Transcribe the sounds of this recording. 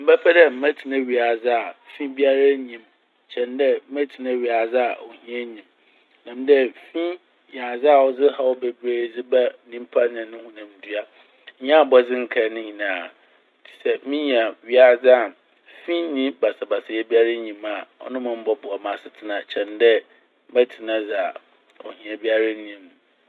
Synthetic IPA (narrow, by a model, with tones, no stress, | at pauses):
m̩˦bɛ˦fɛ˦dɛ˦m̩˦mæ̃˦tʰi˨nã˦ɥi˨a˨d͡zɪ˦a˨fĩ˦bi˦a˦ɾa˦ɲĩ˨m | t͡ɕʰɛ̃˨ndɛ˦m̩˦mæ̃˦tʰi˨nã˦wɥi˨a˨d͡za˦a˨ɔ˨hĩ˦ɛ˦ɲĩ˨m | nã˨m˦dɛ˦fĩ˦ | ja˨d͡zɪ˦a˨wɔ˨d͡zɪ˦ha˨˦wɔ˦be˨bɾeː˦˨d͡zɪ˦bɛ˦nĩ˦m̩˦pʰa˦nɪ̃˨nʊ̃˦hʊ̃˦nã˨m˨dɥa˦ | ɲ˦ã˦a˨bɔ˦d͡zɪ̃˦ŋ̩˦kʰɛ˨˦nʊ̃˦ɲĩ˨nãː˨ | tʰi̥˨sɛ˦mĩ˦ɲ˨a˨ɥi˦a˨d͡za˦˨ | fĩ˦nĩ˦ba˨sa˨ba˨sɪ˨jɛ˦bi˦a˦ɾa˦ɲĩ˨ma˨ɔ̰˦nʊ̃˦mʊ̃˨m̩˦bɔ˦bʊ˨ɔ˨mã˨sɪ˨tʰɪ˦nã˨t͡ɕʰɛ̃˨ndɛ˦ | mɛ˦tʰi˨nã˦d͡zɪ˨a˨ | o̰˨hĩ˨a˨bi˦a˦ɾa˦ĩ˨˦m˨